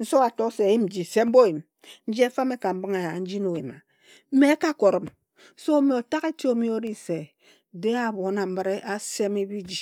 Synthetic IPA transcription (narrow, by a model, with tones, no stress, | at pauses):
n̩˦so˦a˨to˦se˨ji˦m̩˨˦d͡ʒi˨se˨m̩˦bo˦˨ji˨m | n̩˦d͡ʒi˦e˦fa˦me˦ka˨m̩˦bɨ˦ŋa˨ja˨n̩˦d͡ʒi˦no˨we˨ma˨ | m̩˦me˦e˦ka˦ko˨ɾɔ˨m | so˦me˨o˨ta˦ke˦ti˦o˦mi˦o˦ɾi˦se˨ | de˦a˨bo˨˦na˨m̩˦ba˦ɾe˦ʔa˦se˦mi˦bi˦d͡ʒi˨